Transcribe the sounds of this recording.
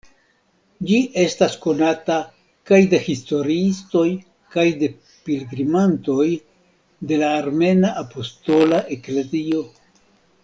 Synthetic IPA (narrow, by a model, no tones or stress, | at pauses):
d͡ʒiʔe̞stasko̞nata | kajde̞histo̞ɾiisto̞j | kajde̞ | pilɡɾimanto̞j | de̞laːɾme̞naʔapo̞sto̞laʔe̞kle̞zio̞